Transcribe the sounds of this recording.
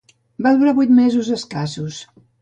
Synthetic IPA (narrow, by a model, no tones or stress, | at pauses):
baðuɾaβujt̪mezuzəskasus